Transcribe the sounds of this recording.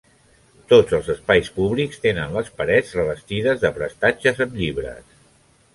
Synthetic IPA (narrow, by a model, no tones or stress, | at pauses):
t̪od͡zəlˠzəspajspuβlikst̪enənləspəɾɛd͡zrəβ̞əst̪iðəzðəpɾəst̪ad͡ʒəzəmʎiβɾə̰s